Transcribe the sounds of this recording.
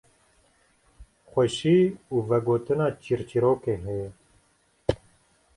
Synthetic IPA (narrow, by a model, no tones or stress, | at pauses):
xʷɛʃiːuːvɛɡoːt̪ɨnɑːt͡ʃiɾt͡ʃiɾoːkeːɦɛj